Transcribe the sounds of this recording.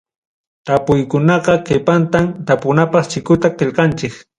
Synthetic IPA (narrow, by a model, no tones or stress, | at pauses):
t̪apʊjkʊnɑqɑkɪpant̪amt̪apʊnapɑχt͡ʃɪkʊt̪aqɪʎqɑnt͡ʃɪk